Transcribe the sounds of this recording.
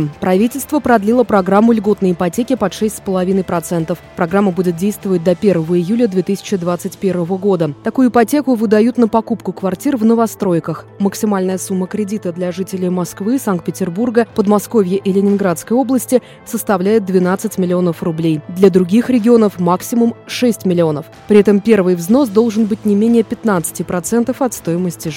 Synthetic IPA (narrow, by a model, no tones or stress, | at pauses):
pɾɐvʲitʲɪlʲst̪vəpɾɐd̪lʲilˠəpɾɐɡɾamːʊlʲɡo̞t̪nəjɪpɐtʲekʲɪpɐt̪ʂɛsʲtʲspəlˠɐvʲinəjpɾɐt̪sɛnt̪əfpɾɐɡɾamːəbudʲɪt̪̚dʲejst̪vəvət̚ʲd̪ɐpʲe̞rvəvəɪjulʲəd̪vʲe̞t̪ɨsʲɪ̥t͡ɕɪd̪vat̪sɨtʲpʲe̞rvəvəɡo̞d̪ət̪ɐkujʊɪpɐtʲe̞kʊvɨd̪ɐjut̪nəpɐkupkʊkvɐrtʲirvnəvɐst̪ɾo̞jkəxməksʲɪmalʲnəjəsumːəkɾʲɪdʲit̪əd̪lʲɐʐɨtʲɪlʲɪjmɐskvɨsankt̪̚pʲɪtʲɪrburɡəpəd̪mɐsko̞vʲjəʔɪlʲɪnʲɪnɡɾat̪skəjo̞blˠəsʲtʲɪ | səst̪ɐvlʲæjɪt̪̚d̪vʲɪn̪at̪sɨtʲmʲɪlʲɪo̞nəfrʊblʲejd̪lʲəd̪ɾʊɡʲixɾʲɪɡʲɪo̞nəfmaksʲɪmʊmʂɛsʲtʲmʲɪlʲɪo̞nəf | pɾʲɪɛt̪əmpʲe̞rvɨjvzno̞sd̪o̞lˠʐɨnbɨtʲnʲɪmʲenʲɪjəpʲɪt̪nat̪sɨ̥tʲɪpɾɐt̪sɛnt̪əfɐt̪st̪o̞jɪməsʲtʲɪ